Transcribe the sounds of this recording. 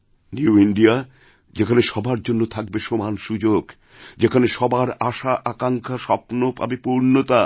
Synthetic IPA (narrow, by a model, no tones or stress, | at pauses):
njuuiɳɖia | d͡ʑekʰaneʃɔbaɾd͡ʑonːot̪ʰak̚beʃomanʃud͡ʑoɡ | d͡ʑekʰaneʃɔbaɾaʃaʔakaŋkʰaʃɔpnopa̰bepuɾnot̪a